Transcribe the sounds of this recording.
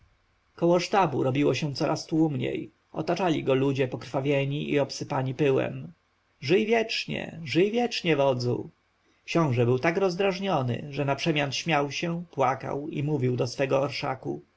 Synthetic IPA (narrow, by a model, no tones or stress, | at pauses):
kɔwɔʂt̪abṵɾɔbʲiwɔɕɛ̃t̪sɔɾʔast̪wumɲḛj | ɔ̰t̪at͡ʂalʲiɡɔlud͡ʑɛpɔkɾfavʲjɛɲiḭɔpsɘpaɲipɘwɛ̰m | ʐɘjvʲjɛt͡ʂɲɛ̰ʐɘjvʲjɛt͡ʂɲɛvɔd̪zṵ | kɕɔ̃w̃ʐɛbɘwt̪akɾɔzd̪ɾaʐɲɔnɘ̰ʐɛnapʂɛmʲjant̪ɕmʲjawɕɛpwaka̰wḭmuvʲiwd̪ɔsfɛɡɔːɾʂa̰kṵ